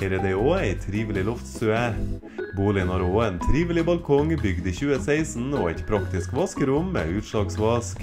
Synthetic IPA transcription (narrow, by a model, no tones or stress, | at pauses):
ɛɾəd̪ɛɪoːæɪt̪ʰɾiːʋəlɪlɔft̪sʉæ | buːlɪɡənɑːɾoːeːnt̪ʰɾiːʋəl̩ɪbɑlkʰɔŋbʏɡd̪iːçʉːəsæɪsn̩oːæɪt̪pʰɾɑkt̪ɪskʋɑskəɾʉmːḛːʉːt̪ʃɑːksʋɑsk